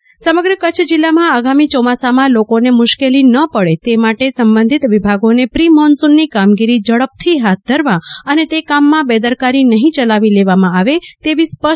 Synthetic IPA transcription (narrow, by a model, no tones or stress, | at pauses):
səməɡɾəkət͡ʃʰd͡ʒilːamãaɡamit͡ʃɔmasamãlokonemʊʃkelinəpəɭet̪emaʈesəmbənd̪ʱit̪ʋibʱaɡonepɾimɔnsunːikamɡiɾid͡ʒəɭəp̚t̪ʰiɦat̪̚d̪ʱəɾʋãənet̪ekamːãbed̪əɾkaɾinəɦĩt͡ʃəlaʋileʋamãaʋet̪eʋispə